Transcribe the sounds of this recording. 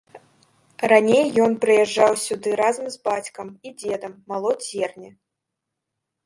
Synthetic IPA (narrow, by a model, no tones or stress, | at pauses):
ranʲejːɔnpɾɨjɛʐːawsʲud̪ɨɾazɐmzbat͡sʲkɐmid͡zʲɛd̪ɐmːalˠɔd͡zʲɛrnʲɐ